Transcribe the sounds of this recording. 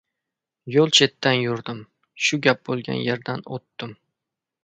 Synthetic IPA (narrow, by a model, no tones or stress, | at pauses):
jolˠt͡ʃʰe̞t̪ʰːanjʊɾd̪ɪm | ʃʊɡʲap̚bolˠɡʲa̰nje̞ɾd̪anot̪ːɪm